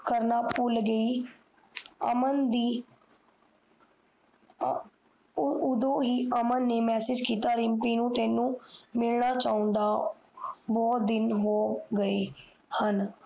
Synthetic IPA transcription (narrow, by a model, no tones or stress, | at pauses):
kəɾnaːpʊlɡəiː | əmənd̪iː | ʊd̪õːɦiːʔəmənːeːmɛːsɪd͡ʒkiːt̪aːɾɪmpiːnũːt̪ɛːnːũːmɪlɳaːt͡ʃaːʊ̃nd̪aː | bɔːt̪̚d̪ɪnɦoːɡəeː | hən